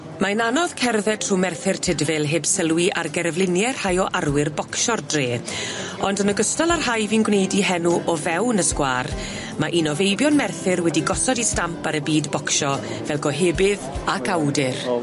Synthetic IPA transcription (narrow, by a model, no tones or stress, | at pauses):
maənanɔð̥kʰɛrðɛtʰr̥umɛrθɪrtʰɪdvɪlˠɦeːbsəlˠwiʔarɡɛɾəvlɪnjɛr̥hajɔʔarwɪrbɔkʃɔrdreː | ɔndənəɡəstalˠarhajviːnɡwnejdiɦɛnuʔɔvɛwnəskwaːr | maʔinɔvejbjɔnmɛrθɪrwɛdiɡɔsɔdistampaɾəbiːdbɔkʃɔ | vɛlˠɡɔɦeːbɪðakʰawdɪr